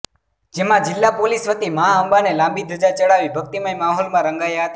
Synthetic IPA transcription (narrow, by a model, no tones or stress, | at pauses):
d͡ʒemãd͡ʒɪlːapolisʋət̪imaaəmbanelãmbid̪ʱəd͡ʒat͡ʃəɽaʋibʱək̚t̪imaĩmaɦɔlmãɾəŋɡajaɦət̪a